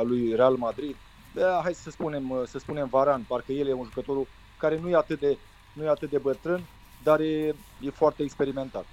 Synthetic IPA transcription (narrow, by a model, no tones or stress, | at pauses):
alujre̞almad̪ɾid̪̚ | baɦajssəspune̞msəspune̞mvaɾanparkəje̞lje̞unʒukət̪o̞ɾu | kaɾe̞nujeat̪ɨt̪̚d̪e | nujeat̪ɨt̪̚d̪e̞bət̪ɾɨn | d̪aɾje | je̞foart̪e̞ːkspe̞ɾime̞nt̪at̪